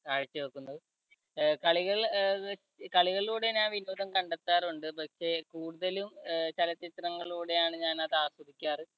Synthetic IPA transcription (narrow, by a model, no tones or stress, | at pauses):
kaːɻit͡ɕːɨʋɐkːunːɐðɨ | kɐɭiɣɐɭ | kɐɭiɣɐɭluːɽenaːʋinoːd̪ɐmkɐɳɖet̪ːaːruɳɖɨpɐkʂe̞kuːɽuðɐlumt͡ɕelɐt͡ɕit̪rɐŋːɐɭuːɽe̞jaːɳɨɲaːnɐðaːsɐdikʲːaːrɨ